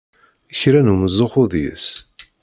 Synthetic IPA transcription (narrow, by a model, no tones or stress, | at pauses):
əçɾænuməzˤːoχʊðḭs